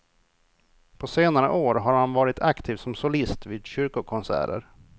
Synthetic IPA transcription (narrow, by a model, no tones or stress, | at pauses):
pʰɔseːnaɾə̰ʔoːɾɦaɾhanvɑːɾɪt̪ʰakt̪ʰiːvsɔmsʊlɪst̪viːd̪ɕʏɾkʊkʰɔnsæ̰ːɾə̰ɾ